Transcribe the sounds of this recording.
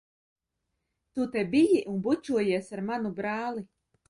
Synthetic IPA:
t̪ut̪ɛbijiʔunbut͡ʃuɔjiɛsaɾmanubɾaːlˠi

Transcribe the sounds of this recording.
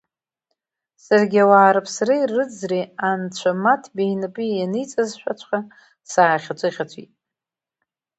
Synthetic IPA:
sarɡʲawaːɾɨpʰsɾijrɨd͡zriant͡ɕʷʰamatʰbijnɨpʼijanɨjt͡sʼazʃʷᶣat͡ʃʷʰχa | saːχʲat͡sʷʰʼɪχʲat͡ɕʷʰḭtʼ

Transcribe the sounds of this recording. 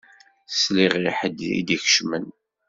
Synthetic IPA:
sliʁiħəd̪ḭd̪içʃmən

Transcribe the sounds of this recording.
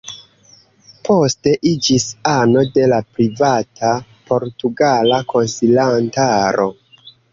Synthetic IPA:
pʰo̞ste̞ʔid͡ʒisano̞de̞lapɾivatʰapo̞ɾtuɡalakʰo̞nsilantaɾʔo̞

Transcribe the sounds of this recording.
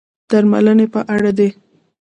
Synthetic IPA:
d̪̥aɾma̰lənepəʔaɽad̪e

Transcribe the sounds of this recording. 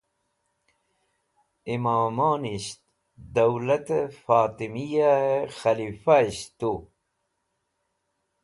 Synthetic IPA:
imaːmaːniɕt̪ | d̪ɐwlɐt̪efaːt̪imijaexɐlifaiɕt̪u

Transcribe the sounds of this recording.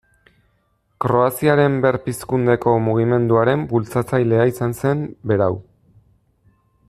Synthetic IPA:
kɾo̞asiaɾe̞mbe̞ɾpiskund̪e̞ko̞muɣ̞ime̞nd̪uaɾe̞mbult͡sat͡sajle̞aisanse̞mbe̞ɾaw

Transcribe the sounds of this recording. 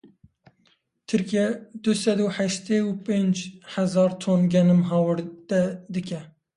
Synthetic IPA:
t̪ʰɨɾkiɛd̪̥ɨsɛd̪uːħɛʃt̪eːupẽːnd͡ʒħɛzɑːɾt̪ʰoːnɡɛnɨmɦɑːwɨɾd̪̥ɛd̪ɨkɛ

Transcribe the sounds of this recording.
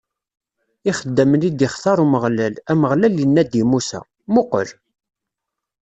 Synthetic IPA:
iχəd̪ːæmənid̪iχθɑɾˤuməʁlælæməʁlælːinːæd̪imusæ̰ | mʊqə̰ɾ

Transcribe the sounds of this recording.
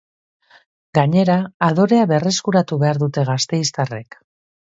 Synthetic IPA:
ɡaɲe̞ɾaːðo̞ɾe̞aβe̞re̞skuɾat̪uβe̞aɾðut̪e̞ɣ̞ast̪e̞jst̪are̞k

